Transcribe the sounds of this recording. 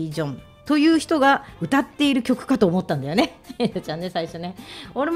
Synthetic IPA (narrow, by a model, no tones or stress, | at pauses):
iʑõ̞n | t̪o̞jɯ̟ːçi̥t̪o̞ɡaɯ̟t̪at̪ːe̞iɾɯ̟kʲo̞kɯ̟̥kat̪o̞ːmo̞t̪ːãnd̪ajone̞et̪ot͡ɕãnːe̞saiɕo̞neo̞ɾe̞m